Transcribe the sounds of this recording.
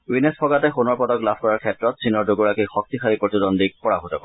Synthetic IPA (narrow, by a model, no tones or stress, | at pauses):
winespʰɔɡatɛxunɔɹpɔdɔklabʰʱkɔɹaɹkʰɛtɹɔt̚sʰinɔɹdoɡuɹakixɔk̚tixʰaɹipɹotidɔndik̚pɔɹaɦotɔ̰kɔ